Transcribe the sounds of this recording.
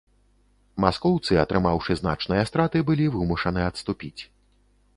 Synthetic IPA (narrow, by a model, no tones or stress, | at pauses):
maskɔwt̪sɨɐt̪ɾɨmawʂɨzna̰t͡ʂnɨjɐst̪ɾat̪ɨbɨlʲivɨmuʂɐnɨjɐt̪st̪upʲit͡sʲ